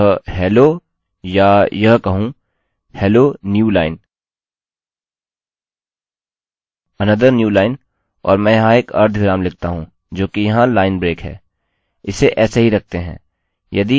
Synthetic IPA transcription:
ɦɛːloː | jajɐɦkɐɦũ | hɛːloːnjuːlaːɪn | ɐnəd̪əɾnjuːlaːɪn | ɔ̰ːɾmɛ̃ːjɐɦãeːkɐ̰ɾd̪ʱɡɪɾaːmlɪk̚t̪aɦũː | d͡ʒoːkijɐɦãlaːɪnbɾeːkɦɛ̰ː | ɪseʔɛːseɦiɾɐk̚ʰt̪eɦɛ̰̃ː | jɐd̪i

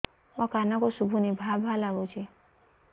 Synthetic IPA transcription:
mãkanakosubʱunibʱabʱalaɡot͡ʃʰi

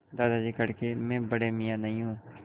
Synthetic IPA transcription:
d̪aːd̪aːd͡ʒiːkəɽkemɛ̃ːbəɽemɪjãːnəĩɦũː

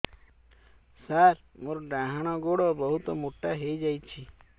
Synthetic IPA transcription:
saɾmoɾɖaɦaɽ̃ɔɡoɽɔbɔɦut̪ɔmoʈaɦejd͡ʒajt͡ʃʰi

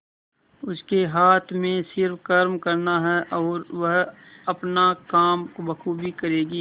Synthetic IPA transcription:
ʊskeɦaːt̪ʰmẽsɪɾfkɐɾmkɐɾnaɦɛʔɔːɾʋɐɦ | ɐpnakaːmkobɐkʰubʱikɐɾeːɡiː

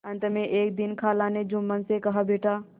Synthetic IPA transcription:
ɐnt̪ɐmẽʔeːk̚d̪ɪnkʰaːlaned͡ʒumːənsekɐɦabeːʈaː

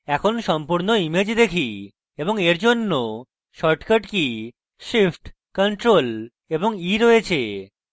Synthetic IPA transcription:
ɛkʰonʃɔmpuɾnoimed͡ʑd̪ekʰi | eboŋeɾd͡ʑonːo | ʃɔɾʈkaʈki | ʃifʈ | kɔɳʈɾol | eboŋiɾoet͡ɕʰe

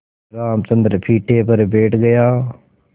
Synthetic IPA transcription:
ɾaːmt͡ʃə̃nd̪əɾpʰiːʈʰːeːpəɾbeːʈʰɡəjaː

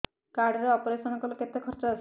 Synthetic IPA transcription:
kaɾɖɾeɔpoɾesɔnɔkɔloket̪ːekʰɔɾt̪ɾas

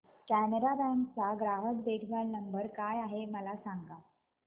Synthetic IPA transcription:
kæməɾabæ̃ŋkt͡saɡɾaɦəkd̪eʈʰʋaɽnəmbəɾkajaɦeməlasaŋɡa

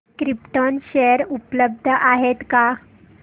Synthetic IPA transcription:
kɾipʈonɕeəɾupləb̚d̪ʱəʔaɦet̪ka

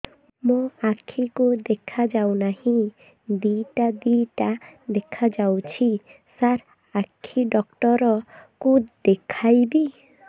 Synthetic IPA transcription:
moakʰikud̪ekʰad͡ʒawnahĩ | d̪iʈad̪iʈad̪ekʰad͡ʒawt͡ʃʰi | saɾ | akʰiɖɔkʈɔɾɔkud̪ekʰajbi

